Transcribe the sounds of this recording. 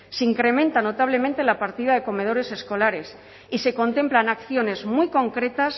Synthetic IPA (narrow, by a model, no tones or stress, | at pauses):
seiŋkɾe̞mẽnt̪ano̞t̪aβ̞le̞mẽnt̪e̞lapaɾt̪iðaðe̞ko̞me̞ð̞o̞ɾe̞se̞sko̞laɾe̞s | ise̞ko̞nt̪e̞mplanakθjo̞ne̞zmujko̞ŋkɾe̞t̪as